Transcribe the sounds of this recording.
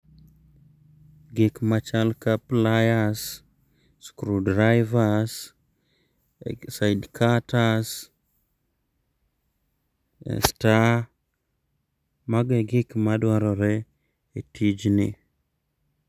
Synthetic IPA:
ɡikmat͡ʃalkaplajas | skɾudɾajvas | sajdkʰatas | ḛsta | maɡeɡɪkmadwaɾɔɾɛ | etʰid͡ʒnḭ

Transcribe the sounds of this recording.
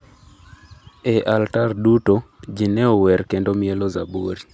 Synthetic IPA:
ɛʔaltardutod͡ʒinɛɔwɛrkendomielozaboɾi

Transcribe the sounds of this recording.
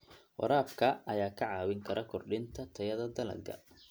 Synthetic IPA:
wɑ̰ɾaːfkʰɐɐjaːkʰɐʕɑːwɪŋkʰɐɾʔɐkʰɔrɖɪnt̪ʰɐt̪ʰɐjɐðɐd̪ɐlɐ̰d̪ɡɐ̰

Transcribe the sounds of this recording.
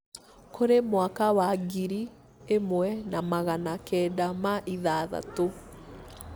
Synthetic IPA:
kʰoɾemwakawaɡiɾi | emwɛnamaɣanakɛːdamaʔiðaða̰to

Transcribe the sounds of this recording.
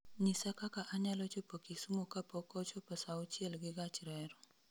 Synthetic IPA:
ɲisakakaʔaɲalot͡ʃopokisumokapokot͡ʃopəsaut͡ʃielɡiɡat͡ʃiɾɛɾo

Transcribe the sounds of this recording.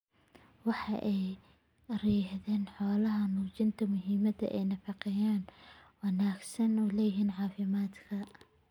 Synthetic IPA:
wɑħɑʔɛj | rɛːħðɛːnħɔːlɐɦɐnuːt͡ʃɪnt̪ʰɐmʊɦiːmɐd̪ɐ̰ʔɛjnɐfɑqɛjaːnwɑnaːɡsɐnʊlɛjɪɦiːnʕɑːfɪmaːd̪kʰɐ

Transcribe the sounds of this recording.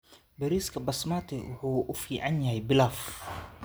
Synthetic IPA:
bɛɾiːskʰɐbɐsmat̪ʰɛwʊ̰ħuːʔʊfiːʕanjɐhɛjbɪlaːf

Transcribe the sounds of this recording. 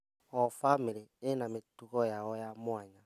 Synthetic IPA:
ɔfamiɾienametuɣɔjaɔjamwaɲa

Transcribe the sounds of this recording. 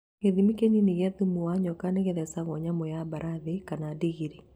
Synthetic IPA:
ɣeðimikeɲiniɣaðumuwaɲɔkaneɣeðɛsaɣɔɲamɔjabaɾʔaðekanadiɣiɾi

